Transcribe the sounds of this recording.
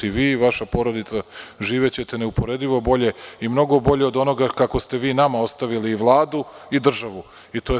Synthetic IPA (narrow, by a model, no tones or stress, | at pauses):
iʋiːʋaʃapo̞ɾo̞d̪it̪saʒiːʋet͡ɕe̞t̪eneupo̞ɾe̞d̪iʋo̞bo̞ʎe̞imno̞ɡo̞bo̞ʎe̞o̞d̪o̞no̞ɡakako̞st̪e̞ʋiːnamao̞st̪aʋiliːʋlˠaːd̪uid̪r̩ʒaʋu | it̪o̞